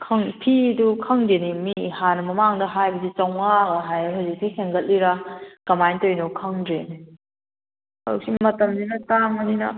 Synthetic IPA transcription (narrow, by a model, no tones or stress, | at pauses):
kʰɐŋpʰidukʰɐŋdenimihanɐmɐmaŋdɐɦajbɐzit͡ʃɐwŋaɡɐɦajɦɯzik̚siheŋɡɐt̚liɾɐkɐmajntojnokʰɐŋdɾeni | hɐɾuk̚simɐtɐmzinɐtaŋɐninɐ̰